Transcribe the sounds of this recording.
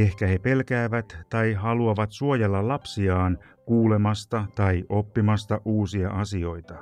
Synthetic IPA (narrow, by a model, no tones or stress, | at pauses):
e̞hkæhe̞pe̞lkæːʋæt̪tɑjɦɑluɑʋɑt̪suo̞jɑlːɑlɑpsiɑːn | kuːle̞mɑst̪ɑt̪ɑiʔo̞pːimɑst̪ɑʔuːsiɑʔɑsio̞jt̪ɑ